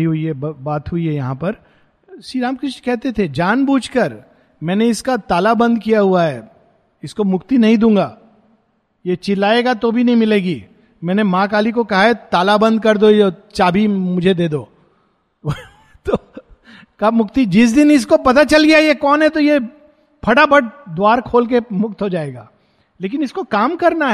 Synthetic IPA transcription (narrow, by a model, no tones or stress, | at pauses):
iɦʊiɛbbaːt̪ɦʊiɦɛjɐɦãpɐɾ | ʃiːɾaːmkɾɪʃnkɛɦt̪et̪ʰed͡ʒaːnbuːt͡ʃʰkɐɾ | mɛ̃ːneɪskat̪aːlabɐ̃nd̪kijaɦuaɦɛː | ɪskomʊkt̪inɐɦĩd̪ũːŋ̆ɡaː | jet͡ʃɪlaːeːɡat̪obʱinɐɦĩmɪleːɡiː | mɛ̃ːnemãːkaːlikokɐɦaɦɛt̪aːlabɐ̃nd̪̚kɐɾd̪ojot͡ʃaːbʱimʊd͡ʒʱed̪eːd̪oː | t̪o | kamʊkt̪id͡ʒɪs̬d̪ɪnɪs̬kopɐt̪at͡ʃɐlɡɐjajekɔːnɦɛt̪oje | pʰɐɽabʱɐɽd̪ʊaːɾkʰoːlk̬emʊk̚t̪ɦod͡ʒaːeːɡa̰ː | leːk̬ɪnɪskokaːmkɐɾnaɦɛ